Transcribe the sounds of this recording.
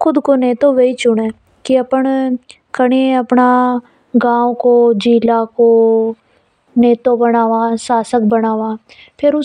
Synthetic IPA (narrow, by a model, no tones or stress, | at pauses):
xʊd̪koneːt̪oʋeit͡ʃʊɽẽː | kiɐpəɳ | kəɽ̃eɐpna | ɡãːõkod͡ʒiːlako | neːt̪obənaːʋasaːsək̚bənaːʋaː | pʰɪɾʊ